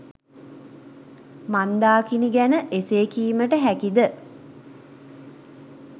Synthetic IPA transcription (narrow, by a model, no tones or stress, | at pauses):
mand̪aːkiniɡænəʔeseːkiːməʈəɦækid̪ə